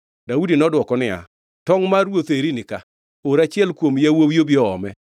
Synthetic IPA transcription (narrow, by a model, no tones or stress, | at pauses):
daudinɔdwɔkɔnɪa̰ | tɔŋmarwot̪eɾinɪka | oɾat͡ʃɪɛlkwomjawowjobjɔɔ̰mɛ